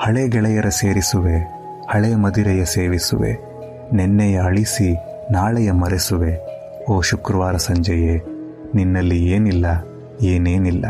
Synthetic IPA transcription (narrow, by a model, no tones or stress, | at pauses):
hɐɭeːɡɛɭɛjɐɾɐseːɾisuʋe | hɐɭemɐd̪iɾɛjɐseːʋisṵʋe̞̰ | nɛnːɛjɐɐɭisi | naːɭɛjɐmɐɾesuʋe | oːʃukɾɐʋaːɾɐsɐɲd͡ʒɐje | ninːɐlːieːnilːɐ | eːne̞ːnilːɐ̰